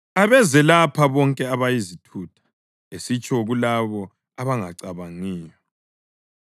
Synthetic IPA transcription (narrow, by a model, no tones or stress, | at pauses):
aβɛzɛlapʰaβɔŋkʼɛaβajizitʰuːtʰḁ | esit͡ʃʼɔɣulaβɔ | aβaŋaǀaβaŋiːjɔ